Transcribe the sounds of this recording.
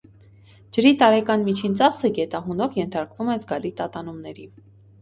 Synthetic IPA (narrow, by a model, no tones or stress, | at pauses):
d͡ʒəɾit̪ɑɾɛkɑnmit͡ʃʰint͡sɑχsəɡɛt̪ɑɦunɔvjɛnt̪ʰɑɾkvumɛzɡɑlit̪ɑt̪ɑnumnɛɾi